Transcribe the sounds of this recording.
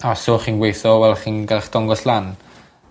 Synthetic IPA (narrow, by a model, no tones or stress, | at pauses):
asoːχiːnɡwejθɔwɛlˠχiːnɡalˠχd̥ɔŋɡɔslan